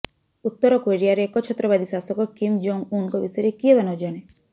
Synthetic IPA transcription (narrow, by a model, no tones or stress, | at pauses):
ut̪ːɔɾɔkoɾiaɾeːkɔt͡ʃʰɔt̪ːɾɔbad̪ʱisasɔkɔkimd͡ʒoŋunkɔbisɔjɾekiebanɔd͡ʒaɽ̃e